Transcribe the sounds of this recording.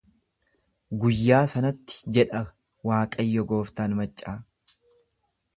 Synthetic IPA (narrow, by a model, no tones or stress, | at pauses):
ɡʊjːaːsɐnɐt̪ːɪ̥d͡ʒɛᶑɐ | waːkʼɐjːɔɡo̞ːft̪aːnmɐt͡ʃʼːaː